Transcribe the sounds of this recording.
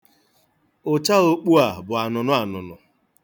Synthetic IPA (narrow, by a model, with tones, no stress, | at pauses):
ʊ˨t͡ʃa˦o˦k͡pu˦a˨bʊ˨a˨nʊ˨nʊ˦a˨nʊ̰˨nʊ̰˨